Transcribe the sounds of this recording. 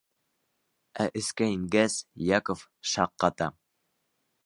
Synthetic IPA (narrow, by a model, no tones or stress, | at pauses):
æʔɘ̆skæiŋɡæsjɑkofʃɑqːɑt̪ɑ